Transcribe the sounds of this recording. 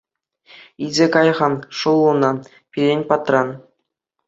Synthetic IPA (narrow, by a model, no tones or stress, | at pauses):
id͡zʲekɑjʁɑnʂulˠːunɑ | pʲiɾʲenʲpɑt̪rɑn